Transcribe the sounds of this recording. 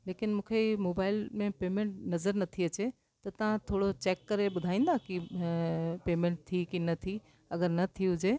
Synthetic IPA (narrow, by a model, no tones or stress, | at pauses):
leːkɪnmũːkʰeimoːbaːɪlmẽpeːmẽɳʈnɐzəɾnɐt̪ʰiɐt͡ɕe | t̪ɐt̪ɐʋ̤ãt̪ʰoːɽot͡ɕeːkːɐɾeɓʊd̪ʱaːĩːn̆d̪aki | peːmẽːɳʈ̚t̪ʰikinɐt̪ʰi | ɐɡəɾnɐt̪ʰiɦʊd͡ʑeː